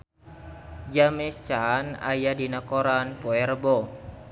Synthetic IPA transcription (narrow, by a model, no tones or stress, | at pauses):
d͡ʒamɛt͡ʃana̰jadinakoɾanpoɛrbɔ